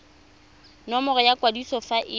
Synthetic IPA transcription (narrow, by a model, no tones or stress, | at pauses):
nɔmɔrɔjakʼwadisɔfaʔɪ